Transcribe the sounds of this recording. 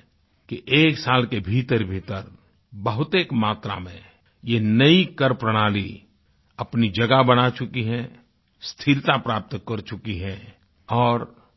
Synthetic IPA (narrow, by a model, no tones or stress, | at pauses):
kiʔeːksaːlkebʱiːt̪əɾbʱiːt̪əɾ | bəɦʊt̪eːkmaːt̪ɾa̰mẽ | jenəikəɾpɾəɽ̃aːli | ɐpnid͡ʒɐɡabɐnat͡ʃʊkiɦɛ̃ | st̪ʰɪɾt̪apɾaːp̚t̪kəɾt͡ʃʊkiɦɛ̃ | ɔːɾ